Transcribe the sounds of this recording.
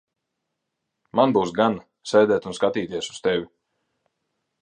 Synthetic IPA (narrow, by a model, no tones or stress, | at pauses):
manbuwsɡan | sɛjd̪ɛːt̪unskat̪iːt̪iɛsu̥st̪ɛvʲi